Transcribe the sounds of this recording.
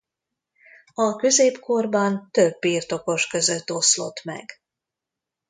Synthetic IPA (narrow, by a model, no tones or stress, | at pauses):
ɒkø̞zeːpko̞rbɒnt̪øbːiːrt̪o̞ko̞ʃkø̞zøt̪ːo̞slo̞t̪mɛ̰ɡ